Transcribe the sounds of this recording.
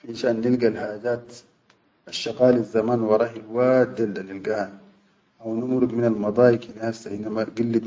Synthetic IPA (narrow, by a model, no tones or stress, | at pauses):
ħiʃaːnːilɡalhaːd͡ʒaːt̪ | aʃːɑqɑːlazːamaːnwɑɾˤɑːħilwaːt̪d̪ald̪anilɡaha | ʔawnumɾuɡ̪minalmɑd̪ˤɑːjikinasaʔinːamaɡilːi